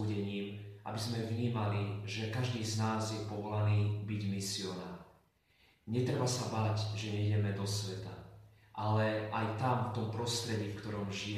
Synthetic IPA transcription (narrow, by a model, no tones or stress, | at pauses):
uɟɛɲiːmʔa̰bizmɛvɲiːmaliʒɛkaʒd̪iːznaːzjɛpɔʋɔlaniːbiɟmisiɔna̰ːɾ | ɲɛt̪ɾɛbasabaːɟʒɛɲɛiɟɛmɛd̪ɔsʋɛt̪a̰ | ʔalɛʔajt̪amft̪ɔmpɾɔst̪ɾɛɟifkt̪ɔɾɔmʒi